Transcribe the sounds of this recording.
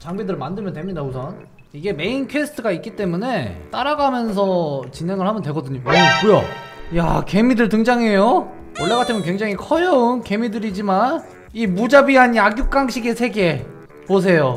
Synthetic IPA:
t͡ɕaŋbidɯɾɭmandɯɭmjʌntwe̞mɲidausʰʌn | iɡe̞me̞inkʰwesʰɯ̥tʰɯɡaik͈it͈e̞mune̞t͈aɾaɡamjʌns̬ʰʌt͡ɕinɦeŋɯɭhamjʌntweɡʌdɯɲoʌk͈ujo̰ja̰ke̞midɯɭt̬ɯŋd͡ʑaŋe̞jo | wʌɭːeɡatʰɯmjʌnkwe̞ŋd͡ʑaŋikʰʌjʌunke̞midɯɾid͡ʑiman | imud͡ʑabiaɲiaɡjuk͈̚aŋɕʰiɡe̞sʰe̞ɡe̞ | pos̬ʰe̞jo

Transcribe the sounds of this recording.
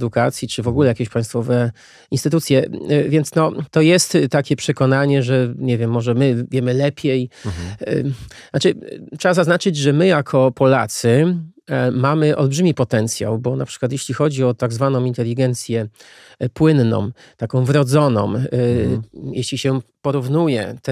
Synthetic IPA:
d̪ukat̪sʲjit͡ʂɘvɔɡulɛjakʲeɕpaj̃st̪fɔvɛ | inst̪ɘt̪ut̪sʲjɛvʲjɛntsnɔt̪ɔjɛst̪t̪ːakʲɛpʂɛkɔnaɲɛʐɛɲevʲjɛmːɔʐɛmɘvʲjɛmɘlɛpʲjɛj̰ | nat͡ʂɘtʂɛbazaznat͡ʂɘd͡ʑʐɛmɘjakʰɔpɔla̰t̪sɘ | mamɘʔɔlbʐɘmʲipɔt̪ɛnt̪sʲja̰wbɔnapʂɘ̥kwat̪jeɕlʲixɔd͡ʑiɔt̪aɡzvanɔ̃mint̪ɛlʲiɡɛnt̪sʲjɛ | pwɘnːɔ̰̃m | t̪akɔ̃w̃vɾɔd̪zɔnɔ̰̃m | jeɕlʲiɕɛpɔɾuvnujɛ̰t̪

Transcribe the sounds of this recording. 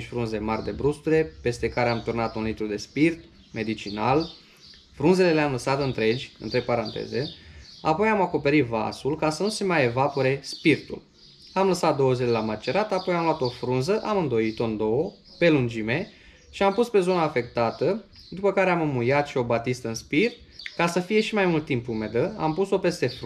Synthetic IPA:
ʃʲfɾunze̞marʲd̪e̞bɾust̪uɾe̞pe̞st̪e̞kaɾeamt̪urnat̪unlit̪ɾud̪e̞spirt̪ | me̞d̪it͡ʃinal | fɾunze̞le̞leamləsat̪ɨnt̪ɾe̞d͡ʒʲɨ̰nt̪ɾepaɾant̪ḛze̞a̰po̞jamako̞pe̞ɾit̪va̰sulkasənuse̞majevapoɾe̞spirt̪ṵl | amləsat̪̚d̪o̞wəzile̞lamat͡ʃe̞ɾat̪apo̞jamloat̪o̞fɾunzəʔamɨnd̪o̞jit̪o̞ɨnd̪o̞wə | pe̞lund͡ʒime̞ | ʃiampuspe̞zo̞naːfe̞kt̪at̪ə | d̪upəkaɾeamɨmujat̪ʃio̞bat̪ist̪əɨnspir | kasəfije̞ʃimajmult̪ːimpume̞d̪əa̰mpuso̞pe̞st̪e̞f

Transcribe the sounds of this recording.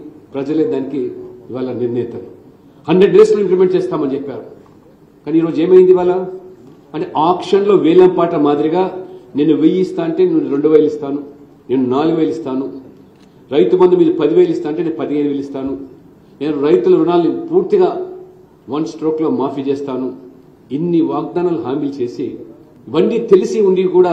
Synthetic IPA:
pɾɐd͡ʒɐleːd̪aːnikiːʋaːlɐniɾniːt̪ɐnu | hɐɳɖɾe̞ɖɾeːsloːimplimeɳʈ̚t͡ʃeːst̪aːmɐnit͡ʃɛpːaːɾu | kaːniːɾo̞ːd͡ʒe̞ːmɐjind̪iʋaːlɐ | ɐɳʈeʔaːkʂɐnlo̞ːʋeːlɐmpaːʈɐmaːd̪iɾiɡaːne̞ːnːuʋejist̪aːɐɳʈe̞ːnunːuɾe̞ɳɖuʋɐjlist̪aːnu | ne̞ːnunaːluɡuʋeːlist̪aːnu | ɾɐjt̪ubɐnd̪umiːd̪ɐpɐd̪iʋeːlist̪aːɐɳʈeːneːnupɐd̪iɐjd̪uʋelist̪aːnu | ne̞ːnuɾɐjt̪ulɐunaːlɐnipuːɾt̪iɡaː | ʋɐnsʈɾoːklo̞ːmaːfiːt͡ʃeːst̪aːnu | inːiʋaːɡ̚d̪aːnaːluɦaːmilt͡ʃe̞ːsḭ | ʋɐɳɖit̪e̞lisiuɳɖikuːɽaː

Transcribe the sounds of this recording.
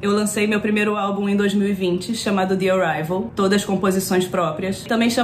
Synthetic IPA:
ewlɐ̃sejmewpɾimejɾʊawbũẽd̪ojzmiwivĩt͡ʃɪʃɐmad̪ʊd̪ioɾajvewt̪od̪ɐskõpozisõj̃spɾɔpɾiɐst̪ɐ̃bẽj̃ʃɐ̃

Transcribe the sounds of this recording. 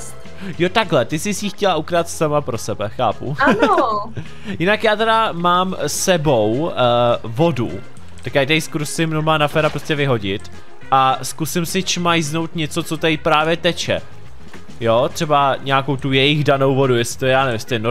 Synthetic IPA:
jot̪aɡɦlɛt̪ɪsɪsjiːxcɛlaʔukɾat̪samapɾo̞sɛbɛxaːpṵano | jɪnakjaːt̪ɛdamaːmsɛbo̞w | vo̞dṵ | t̪akjaːjt̪ajskoɾusɪmnomaːnafɛːɾapɾoscɛvɪɦo̞ɟɪt̪ | ʔaskusɪmsɪt͡ʃmajzno̞wt̪ɲɛt͡so̞t͡sot̪ɛjpɾaːvjɛt̪ɛt͡ʃɛ̰ | jot̪r̥ɛbaɲaːkowt̪ujɛjɪɣdano̞wvo̞dujɛsɪ̥t̪ojɛjaːnɛvɪmsɪ̥t̪ojɛno

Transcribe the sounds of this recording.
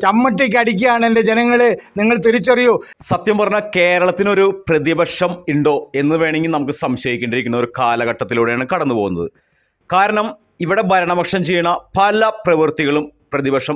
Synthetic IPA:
t͡ɕɐmːɐʈːeːk̬ːɨɐɽik̬ʲːuaːɳende̞d͡ʑenɐŋːɐɭeniŋːɐɭt̪iɾit͡ɕːɐrijoː | sɐt̪jɐmpɐrɐɲːɐke̞ːɾɐɭɐt̪ːino̞ɾuprɐðibɐʂɐmiɳɖo̞ːe̞nːɨʋe̞ːɳeŋɡilnɐmuk̬ːɨsɐmɕɐjikʲːuɳɖiɾikʲːunːɐo̞ɾukaːlɐɣɐʈːɐt̪ːiluːɽejaːɳɨkɐɽɐnːupo̞ɣunːɐ̰ðɨ̰ | kaːɾɐɳɐm | iʋiɽe̞bʱɐɾɐɳɐmɐkʂɐmt͡ɕe̞jːuɳːɐpɐlɐprɐʋɨrt̪iɣɐɭumprɐðibɐʂɐm

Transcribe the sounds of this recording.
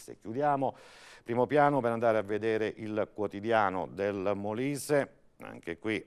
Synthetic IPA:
sḛkjud̪jaːmopɾiːmopjaːnopeɾand̪aːɾeavːed̪eːɾeʔilkwot̪id̪jaːno̰d̪elmoliːse | a̰ŋkekwi

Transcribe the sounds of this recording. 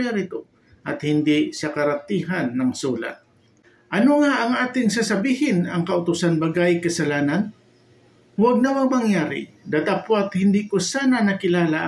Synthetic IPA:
aɾɪt̪o | ʔɐt̪hɪnd̪ɪʔsɐkɐɾat̪iːɦanːɐŋsuːla̰t̪̚ | ʔɐnoŋaʔɐŋʔaːt̪ɪŋsasɐbiːhɪnɐŋkɐʔʊt̪ʊsanbɐɡajkɐsɐlaːnan | waɡ̚nawaŋmɐŋjaːɾɪ̰ | d̪at̪apat̪hɪnd̪ikʊsaːnanɐkɪlaːlaʔ

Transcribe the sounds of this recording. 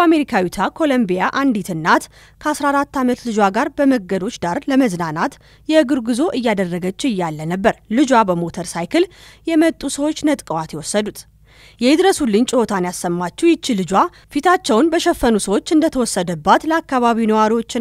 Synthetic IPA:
ame̞ɾikʰawit̪ʰakʰo̞lombijaʔand̪it̪ʰɨnːat̪ | kʰəasɾaːɾat̪ːamət̪lɨd͡ʒwaɡaɾbəməɡːəd̪o̞t͡ʃːd̪aɾləməznanat̪ | jɛɨɡɨɾɡɨzo̞ʔɨjːad̪ərːəɡət͡ʃːɨjːalːənəbːəɾlɨd͡ʒwabəmo̞t̪ʰəɾsajkʰɨl | jɛmət̪ʼːusəwot͡ʃːnət̪ʼkʼəwat̪jɛwɔsːəd̪ut̪ʰ | jɛɪd̪ɾəsulɨɲt͡ʃʼɪhot̪ʰanjasːəmːat͡ʃːɛwjɪt͡ʃːilɨd͡ʒwa | fit̪ʰat͡ʃːɛwnbəʃɛfːənusəwo̞t͡ʃːɨnd̪ət̪ʰəwɔsːəd̪əbːat̪ləakːaβaβinəwaɾiwo̞t͡ʃːɪ

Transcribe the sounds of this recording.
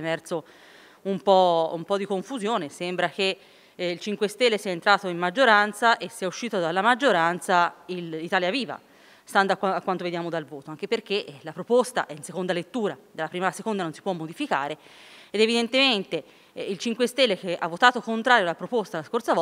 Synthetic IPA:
emɛrso | umpɔumpɔd̪ːikoɱfuzjoːnesembɾak̟e | ilt͡ʃiŋkwest̪elːesiːaent̪ɾaːt̪oimːad͡ʒːoɾant̪saʔesːiːauʃːiːt̪od̪alːamad͡ʒːoɾant̪sailːit̪aːljaviːva̰ | st̪and̪oakːaakːwant̪oved̪jaːmod̪alvoːt̪oaŋk̟eperkelapɾopost̪a̰ʔɛinsekond̪alet̪ːuːɾad̪elːapɾiːmalasekond̪anonsi̥pwɔmːod̪ifika̰ːɾeed̪evid̪ent̪ement̪e | ilt͡ʃiŋkwest̪elːekeʔa̰vːot̪aːt̪okont̪ɾaːɾjoalːapɾopost̪alaskorsavɔ

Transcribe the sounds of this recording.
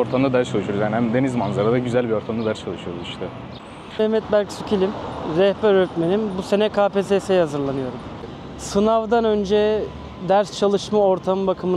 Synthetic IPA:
o̞ɾt̪ʰamd̪ad̪æɾst͡ʃʰalˠɯʃujoɾzjaːnihæmd̪e̞nizmanzaɾad̪aɟyzælʲbio̞ɾt̪ʰamd̪ad̪æɾst͡ʃʰalˠɯʃɯjoɾuziʃt̪ʰɛ | ɛhmɛt̪̚bæɾcsycʰilʲimɾɛhbæɾɾyt̪meninbuse̞nɛkʰaːpeːsesejhazɯɾlˠanɯjo̞ɾum | sɯnavd̪anø̞nd͡ʒɛ | d̪æɾst͡ʃʰalˠɯʃmao̞ɾt̪ʰambakʰɯmɯ

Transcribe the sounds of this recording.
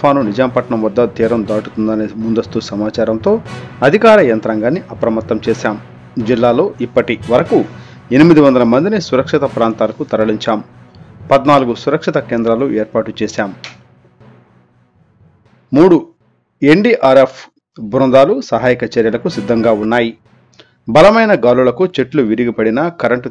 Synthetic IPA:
pʰaːnunid͡ʒaːmpɐʈɳɐmʋɐd̪ːɐt̪iːɾɐmd̪aːʈut̪und̪ɐnemund̪ɐst̪usɐmaːt͡ʃaːɾɐmt̪o̞ːɐd̪ʱikaːɾɐjɐnt̪ɾɐŋɡaːnːiʔɐpɾɐmɐt̪ːɐmt͡ʃɛːsaːm | d͡ʒilːaːlo̞ːʔipːɐʈiʋɐɾɐku | enimid̪iʋɐnd̪ɐlɐmɐnd̪inesuɾɐkʂit̪ɐpɾaːnt̪aːlɐkut̪ɐɾɐɭiɲt͡ʃaːm | pɐd̪naːluɡusuɾɐkʂit̪ɐkeːnd̪ɾaːloeːɾpaːʈut͡ʃɛːsaːm | muːɽu | e̞ɳɖiʔaːɾepʰ | bɾund̪aːlusɐɦaːjikɐt͡ʃɐɾjɐlɐkusid̪ːɐŋɡaːunːaːji | bɐlɐmɐjnɐɡaːlulɐkut͡ʃe̞ʈluʋiɾiɡipɐɽinɐkɐɾɐɳʈ

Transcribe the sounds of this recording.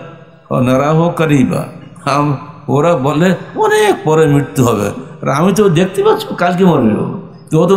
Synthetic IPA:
ɔ̰nɐɾaɦokəɾijba̰amoɾabɔnleɔnek̚pɔɾemiʈt̪uɦɔbḛa̰ɾamit̪od̪ek̚ʰt̪ibat͡ʃʰukalk̬imɔɾbio̰ | t̪ot̪o

